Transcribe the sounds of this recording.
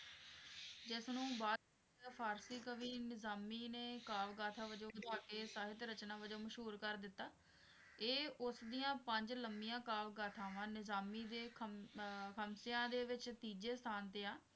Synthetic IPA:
d͡ʒɪsnũːbaːd̪ | pʰaːɾsiːkəʋiːnɪzaːmiːneːkaːʋɡaːt̪ʰaːʋəd͡ʒoːd̪baːkeːsaːɦɪt̪ɾət͡ʃnãːʋəd͡ʒoːməʃɦuːɾkəɾd̪ɪt̪ːaː | eːʊsd̪ijãːpəɲd͡ʒləmbijãːkaːʋɡaːt̪ʰãːʋãːnɪzaːmiːd̪eː | kʰəmseãːd̪eːʋɪt͡ʃt̪iːd͡ʒeːst̪ʰaːnt̪eːãː

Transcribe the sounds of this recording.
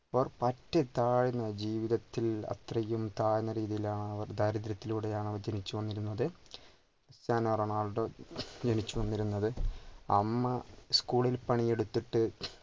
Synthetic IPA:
pɐʋɐrpɐtːet̪aːɻinːɐd͡ʑiːʋiðɐt̪ːilɐ̰t̪rɐjumt̪aːjɐnːɐɾiːðijilaːɳɨɐʋɐrd̪ʱɐːɾɐd̪ɾɐt̪ːiluːɽe̞jaːɳɐʋɐrd͡ʑenit͡ɕːuʋɐnːiɾunːɐðɨ | ɐsaːnɐɐrɐːɳaːɭɽod͡ʑenit͡ɕːuʋɐnːiɾunːɐðɨɐ̰mːɐskuːɭilpɐɳije̞ɽut̪ːiʈːɨ

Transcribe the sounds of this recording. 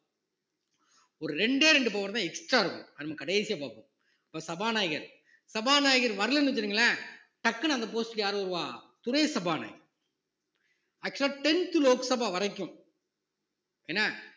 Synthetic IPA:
ɔɾɯɾɛɳɖeːɾɛɳɖɯpoːɣɐɾɐ̃t̪ãːɛksʈɾaːɪɾɯkːɯ̰̃ɐnɐmːɐkɐɽɐjsɪjapaːpːõ | ɐpːɐːsɐbaːnaːjɪɣɐɾ | sɐbaːnaːjɣɐɾʋɐɾɯlɐnːɯʋɐt͡ʃːɪɾiŋɡɐlːaː | ʈ̪ɐkːɐnɐnd̪ɐp̬oːsʈɪljaːɾɯɔɾɯʋaː | t̪ʊnɐjsɐbaːna̰ːjɪɣɐɾ | ɐk̚t͡ʃːɐlaːʈɛnt̪ɯloːksɐbaːʋɐɾɐɪkːʊ̃ | eːnːaː

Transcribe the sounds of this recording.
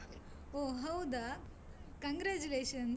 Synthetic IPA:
oːɦɐwd̪a | kɐ̃ŋɡɾaːd͡ʒuleːʃɐn

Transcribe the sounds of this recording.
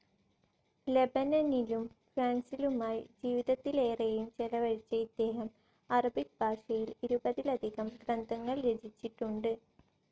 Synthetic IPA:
le̞bɐnɐnilumfraːnsilumaːjd͡ʑiːʋiðɐt̪ːile̞ːrejumt͡ɕelɐʋɐɻit͡ɕːɐid̪e̞ːɦɐm | ɐrɐbik̚bʱaːʂɐjiliɾubɐðilɐd̪ʱiɣɐmɡrɐnd̪ɐŋːɐɭɾed͡ʑʱit͡ɕːiʈːuɳɖɨ

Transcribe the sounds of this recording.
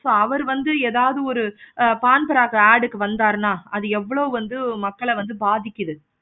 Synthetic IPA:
soːɐʋɐɾʋɐnd̪ɯeːðaːʋɐðɯɔɾɯpaːnbɐɾaːɣɐaːɽɯkːɯʋɐnd̪aːɾnaːɐðɯɛʋːɐɭoːʋɐnd̪ɯmɐkːɐɭɛʋɐnd̪ɯbaːðɪkʲːɪðɯ

